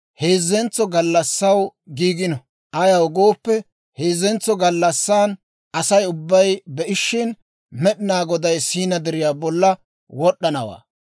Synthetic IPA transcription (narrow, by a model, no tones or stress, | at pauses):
he̞ːzːɛnt͡sːɔɡɐlːɐsːɐwɡiːɡɪnɔ | ʔɐjɐwɡoːpːɛ | heːzːɛnt͡sːɔɡɐlːɐsːaːn | ɐsɐjʊbːɐjbɛʔɪʃːɪn | mɛɗɪnaːɡɔd̪ɐjsiːnɐd̪ɛɾɪjaːbɔlːɐ | wɔɗːɐnɐwa̰ː